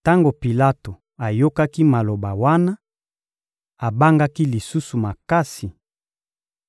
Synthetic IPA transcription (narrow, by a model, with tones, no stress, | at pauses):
ta˦ŋɡo˨pi˨la˦to˨ | a˨jo˦ka˦ki˦ma˨lo˨ba˨wa˦na˦ | a˨ba˦ŋɡa˦ki˦li˨su˦su˨ma˨ka˦si˨